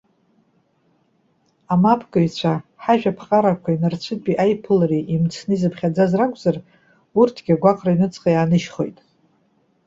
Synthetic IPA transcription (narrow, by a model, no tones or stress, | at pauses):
amapʰɡʼɨit͡ɕʷʰaħaʒᶣapʰχʼaɾakʷʰainart͡ɕʷʰɨd̚pʼiʔajpʰɨlaɾiʔimt͡sʰnɨizɨpχʲad͡zazrakʷʼzar | urtʰɡ̥ʲaɡʷaqʼrainɨt͡sʼqʼajaːnɨʃχo̞̰jtʼ